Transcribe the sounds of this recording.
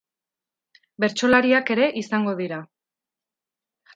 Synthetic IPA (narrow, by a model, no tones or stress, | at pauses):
be̞ɾt͡ʃo̞laɾiake̞ɾe̞ʔisaŋɡo̞ð̞iɾa